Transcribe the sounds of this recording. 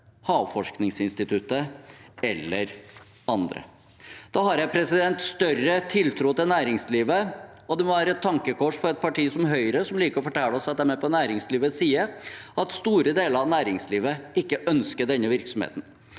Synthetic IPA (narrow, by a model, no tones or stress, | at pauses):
hɑːʋfɔʂknɪŋsɪnst̪ɪt̪ʰʉt̪ːəɛlːəɾ | ɑnd̪ɾə̰ | d̪̥ɑhɑɾjæɪpʰɾɛsɪd̪ɛnt̪st̪œrət̪ʰɪlt̪ʰɾʊːt̪ɪnæːɾɪŋsliːʋəɔd̪ɛmɔʋæːɾəɛt̪ʰːɑŋkəkʰɔʂfɔɾɛt̪̚pʰɑʈiːsɔmɦœʏɾəsɔmliːkəɾɔfɔʈʰæːlɔsɛt̪ːəɾmɛpɔnæːɾɪŋsliːʋəsiːəɑt̪st̪uːɾəd̪eːləɾɑʋnæːɾɪŋsliːʋəɪkːəʔœnskəɖ̪ɛnːəʋɪɾksɔmhḛːt̪n̩